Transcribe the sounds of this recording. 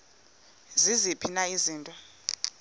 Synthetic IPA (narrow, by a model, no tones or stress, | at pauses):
zizipʰinaiziːntʼɔ